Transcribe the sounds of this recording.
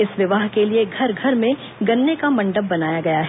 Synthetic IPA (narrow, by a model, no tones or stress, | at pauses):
ɪsʋɪʋaːɦkelieɡʱɐɾɡʱɐɾmẽ | ɡɐnːekamɐ̃ɳɖəbːɐnaːjaɡɐjaɦɛ